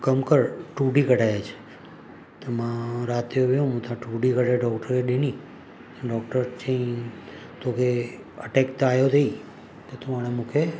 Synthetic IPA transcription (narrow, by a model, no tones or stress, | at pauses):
kəmkəɾʈuɖikəʈajat͡ʃʰe̥ | t̪əmãɾat̪ijoʋeũmũt̪ãʈuɖikəʈeɖɔkʈəɾeɗeni | ɖɔk̚ʈəɾt͡ʃʰə̃ĩ | t̪oke | ə̰ʈekt̪ajot̪ʰəi | t̪ot̪oaɽemũkʰe